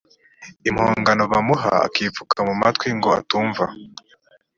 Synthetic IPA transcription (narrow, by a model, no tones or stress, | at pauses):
imhoːŋɡano̞βamuɦa̰a̰kiːfukʰamumatwiŋɡo̞a̰tuːɱva